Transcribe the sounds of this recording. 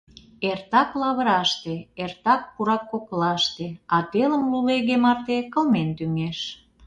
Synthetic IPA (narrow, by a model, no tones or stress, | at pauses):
ert̪ɑklɑβə̆ɾɑʃt̪eert̪ɑk̚puɾɑkːoklɑʃt̪eɑt̪eləmluleɣemɑrt̪ekə̆lment̪yŋeʃ